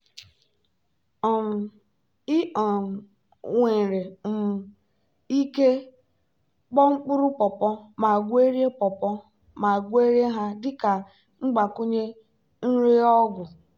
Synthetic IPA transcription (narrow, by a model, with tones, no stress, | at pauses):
ɔ˨m̩˨ | i˦ɔ˨ | ŋʷe˨ɾe˨m̩˨m̩˨ | i˦ke˦ | k͡pɔ˦ŋ͡m̩˦k͡pʊ˦ɾʊ˦pɔ˨pɔ˦ma˨ɡʷe˦ɾje˦pɔ˨pɔ˦ | ma˨ɡʷe˦ɾje˦ɦa˦dɪ˦ka˨ | ŋ͡m̩˦ɡ͡ba˨kʊ˦ɲe˦ | n̩˦ɾe˦ɔ˦ɡʷʊ˨